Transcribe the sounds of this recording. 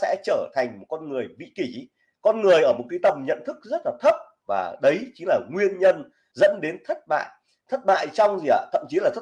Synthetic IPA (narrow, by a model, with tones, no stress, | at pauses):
sɛ̰˧˥t͡ɕəː˧˩t̪ʰa˨˩jŋ̟mo˨˩t̚kɔ˧nŋɨ˨˩əjɓḭ˧˨ki˧˩ | kɔ˧nŋɨ˨˩əjʔəː˧˩mo˨˩t̚kaː˨˦jt̪ə˨˩mŋ͡mɲə̰˧˨nt̪ʰɨ˦˥k̚zə˦˥t̚laː˨˩t̪ʰə˦˥p̚ | va̰ː˨˩ɗə˨˦jt͡ɕi˨ŋlaː˨˩ŋwi˧ənɲə˧n | zə̰˧˥nɗe˨˦nt̪ʰə˦˥t̚ɓa̰ː˧˨j | t̪ʰə˦˥t̚ɓa̰ː˧˨jt͡ɕɔ˧wŋ͡mzi˨˩a̰ː˧˩t̪ʰə̰˧˨mt͡ɕi˨˦laː˨˩t̪ʰə˦˥